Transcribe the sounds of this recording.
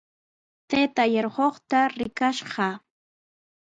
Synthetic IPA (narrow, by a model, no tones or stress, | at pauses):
t̪et̪ajeɾɢoχt̪aɾɪkaʃɢɑ